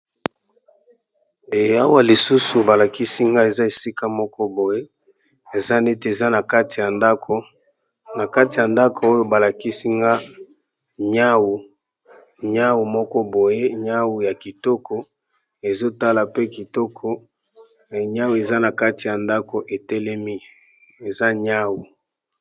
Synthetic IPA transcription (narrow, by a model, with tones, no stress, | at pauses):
e˨a˦wa˦li˨su˦su˨ba˨la˨ki˦si˦ŋɡa˦e˨za˦e˨si˦ka˦mɔ˦kɔ˦bo˨je˦ | e˨za˦ne˦te˨e˨za˦na˨ka˦ti˨ja˨nda˦kʰo˨ | na˨ka˦ti˨ja˨nda˦kʰo˨o˦jo˦ba˨la˨ki˦si˦ŋɡa˦ | ɲa˦wu˨ | ɲa˦wu˨mɔ˦kɔ˦bo˨je˦ɲa˦wu˨ja˨ki˨tɔ˦kʰɔ˨ | e˨zo˦ta˦la˨pe˦ki˨tɔ˦kʰɔ˨ | ɲa˦wu˨e˨za˦na˨ka˦ti˨ja˨nda˦ko˨ʔe˨tɛ˦lɛ˦mi˦ | e˨za˦ɲa˦wu˨